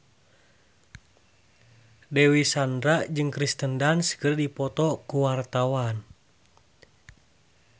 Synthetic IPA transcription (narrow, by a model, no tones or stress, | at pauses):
dɛwisandɾaʔd͡ʒɨŋkɾist̪əndanskɨrdipɔt̪ɔkuwart̪awan